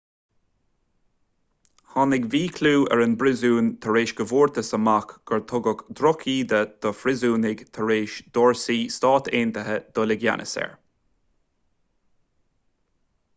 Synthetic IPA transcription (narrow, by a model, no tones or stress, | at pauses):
hɑnɪɡviːkʰluːɛ̰ɹɪnbɾɪzuːnt̪ʰəɹeːʃɡəvuːɹt̪ʰəsəmakɡ̥əɹt̪ʰʊɡəkd̪ɾɔkʰiːd̪əd̪̥ɔfɾɪzuːnɪɡt̪ʰəɹeːʃd̪ɔɹsiːst̪ɑːt̪ʰeːnt̪əɦəd̪̥ɔlɪɡja̰nʔə̰sɛ̰ɹ